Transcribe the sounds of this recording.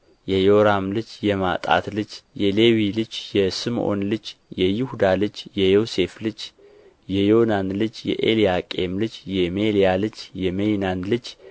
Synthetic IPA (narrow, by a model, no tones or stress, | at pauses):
jɛjoɾamlɨt͡ʃjɛma̰t̪ʼa̰t̪lɨt͡ʃːjɛlewilɨd͡ʒjɛsɨmʔo̞̰nlɨt͡ʃːjɛjihud̪alɨd͡ʒjɛjose̞flɨd͡ʒ | jɛjo̞nanlɨt͡ʃːjɛ̰ʔḛlijakʼemlɨt͡ʃjɛmelijalɨt͡ʃːjɛmejnanlɨd͡ʒ